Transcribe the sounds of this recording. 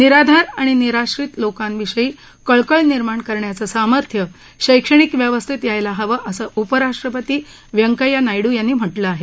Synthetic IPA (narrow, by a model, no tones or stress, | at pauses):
niɾad̪ʱaɾaɽ̃iniɾaɕɾit̪lokãnʋiɕəiː | kəɭkəɭniɾmaɳkəɾɳjat͡səsaməɾt̪ʰjə | ɕəjkʂəɳ̃ikʋjəʋəst̪ʰit̪jajlaɦəʋəʔəsəʔupəɾaʂʈɾəpət̪iː | ʋjəŋkəjanajɽuːjanːiːm̤əʈləaːɦe